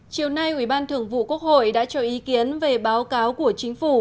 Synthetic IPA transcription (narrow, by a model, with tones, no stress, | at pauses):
t͡ɕi˨˩əwna˧jʔi˧˩ɓaː˧nt̪ʰɨ˨˧˩əŋvṵ˧˨ku˦˥ək̚ho̰˧˨jɗa̰ː˧˥t͡ɕɔ˧ʔi˨˦ki˨˦ənve˨˩ɓaː˨˦wkaː˨˦wku˧˩ət͡ɕï˨˦ŋ̟fu˧˩